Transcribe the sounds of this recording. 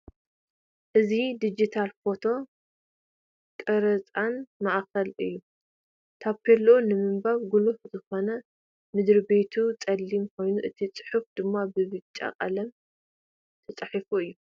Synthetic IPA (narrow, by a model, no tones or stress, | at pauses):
ʔɨzid̪id͡ʒit̪ʰalfo̞t̪ʰo̞ | kʼɐɾɐt͡sʼanmaʔkɐlɨjːu | t̪ʰaβkʰɐlːʔunɨmɨmbaβɡulufzɨxo̞nɐ | mɨd̪ɾibe̞t̪ʰut͡sʼɐlːimkʰo̞jnuʔɨt̪ʰit͡sʼɨ̥ħufd̪ɨmːabɨβɨt͡ʃʼːa̰qʼa̰lɐm | t̪ʰɐt͡sʼɐħifuɨjːu